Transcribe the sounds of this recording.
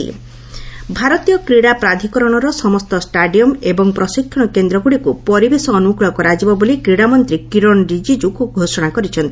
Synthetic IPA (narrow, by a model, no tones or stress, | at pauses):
ḭ | bʱaɾɔt̪ijɔkɾiɽapɾad̪ʱikɔɾɔɽ̃ɔɾɔsɔmɔst̪ɔsʈaɖiɔmebɔŋpɾɔsikʰːɔɽ̃ɔkend̪ɾɔɡuɽikupɔɾibesɔːnukɭɔkɔɾad͡ʒibɔbolikɾiɽamɔnt̪ɾikiɾɔɳɾid͡ʒid͡ʒukuɡʱosɔɽ̃akɔɾit͡ʃʰɔnt̪i